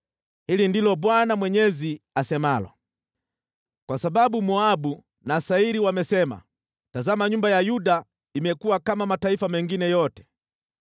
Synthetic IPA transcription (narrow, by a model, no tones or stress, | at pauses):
hilindilɔbwanamwɛɲɛziasɛmalɔ̰ | kwasababumɔabu | nasaiɾiwamɛsɛma̰ | tazamaɲumbajajuda | imɛkuwakamamataifamɛŋɡinɛjɔtɛ̥